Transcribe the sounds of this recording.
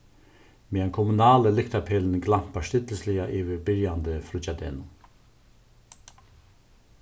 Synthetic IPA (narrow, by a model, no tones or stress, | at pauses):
meːɛnkʰɔmunaːləlɪkt̪apʰɛːln̩ɡlam̥paʂt̪ɪt̪l̩sliaʔiːʋɪbɪɾjand̪əfɾʊt͡ʃad̪ḛːnʊ